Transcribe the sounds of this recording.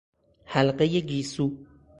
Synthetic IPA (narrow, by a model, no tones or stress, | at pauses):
halqejeɡisu